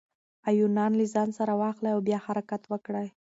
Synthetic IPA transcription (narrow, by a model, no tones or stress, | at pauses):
ajunɑnlizɑnsaɾawɑxlajawbjɑhaɾakat̪wəkɽəj